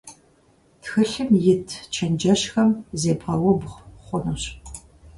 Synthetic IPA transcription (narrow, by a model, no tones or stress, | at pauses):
txɨɬɨmjɪtʰt͡ʃʰɐnd͡ʒɐɕxɐmzeːbʁɐwɔbχʷʊnɐɕ